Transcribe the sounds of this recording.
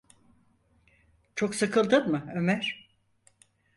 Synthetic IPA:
t͡ʃʰoksakʰɯlˠd̪ɯnmɯømæɾ̥

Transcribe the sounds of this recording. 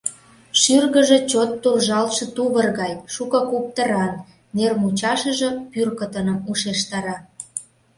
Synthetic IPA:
ʃyrɣə̆ʒĕt͡ɕot̪ːurʒɑlʃɤ̆t̪uβərɣɑjʃukɤ̆kup̚t̪əɾɑnː | ermut͡ɕɑʃə̆ʒə̆pyrkə̆t̪ə̆nə̆muʃeʃt̪ɑɾɑ

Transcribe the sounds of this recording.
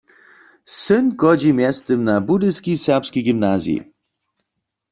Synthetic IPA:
sɨnkɔd͡ʑimjɛst̪əmnabud̪ɨskʲisɛpskʲijɡimnazjḭ

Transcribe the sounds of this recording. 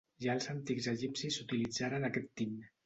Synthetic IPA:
ʒaəlˠzant̪ikzeʒipsisut̪ilid͡zaɾənakɛt̪ːin

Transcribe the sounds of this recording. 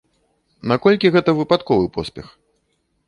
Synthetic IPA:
nakɔlʲkʲiɣɛt̪ɐvɨpat̪kɔvɨpɔsʲpʲɛx

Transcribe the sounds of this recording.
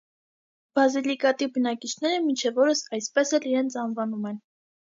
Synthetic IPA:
b̥ɑzilikɑt̪ibənɑkit͡ʃʰnɛɾəmint͡ʃʰɛvɔɾəsɑjspɛsɛliɾɛnt͡sʰɑnvɑnumɛn

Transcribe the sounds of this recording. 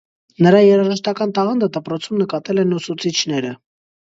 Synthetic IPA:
nəɾɑjɛɾɑʒəʃt̪ɑkɑnt̪ɑʁɑnd̪əd̪əpɾɔt͡sʰumnəkɑt̪ɛlɛnusut͡sʰit͡ʃʰnɛɾə

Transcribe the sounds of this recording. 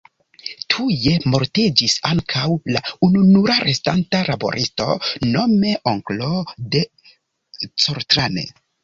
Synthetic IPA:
tʰuje̞mo̞ɾtid͡ʒisaŋkʰawlaununuɾaɾʔe̞stantaɾabo̞̰ɾʔisto̞̰no̞me̞ʔoŋklode̞ | t͡soɾtɾanḛ

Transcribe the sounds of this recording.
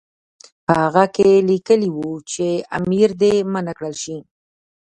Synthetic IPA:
pəhaɣakelikəliwut͡ʃea̰miɾd̪emənakɽəlʃi

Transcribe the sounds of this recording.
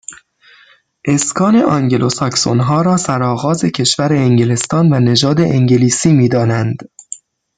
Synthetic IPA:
ʔe̞skʰɒːne̞ʔɒŋɟe̞lʔo̞sɒkso̰nɦɒːɾɒːsæɾɒːɣɒːze̞cʰe̞ʃvæɾeːŋɟele̞st̪ɒːnvæne̞d͡ʒɒːd̪e̞ʔeŋɟeliːsiːmiːd̪ɒːnænd̪̥

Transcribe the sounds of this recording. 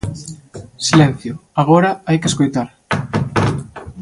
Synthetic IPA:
silɛn̟θjʊaɣoɾɐajkeskojt̪aɾ

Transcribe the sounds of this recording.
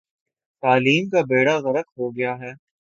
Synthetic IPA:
t̪aːliːmkabeːɽaɣɐɾək̪ɦoːɡɐjaɦɛː

